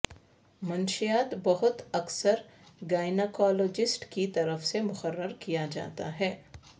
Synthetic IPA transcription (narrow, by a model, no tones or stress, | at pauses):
mɐnʃijaːt̪bɐɦʊt̪ɐksəɾ | ɡaːɪnekɔːloːd͡ʒɪsʈkit̪ɐɾəfsemʊxəɾːəɾkijad͡ʒa̰ːt̪a̰ɦɛː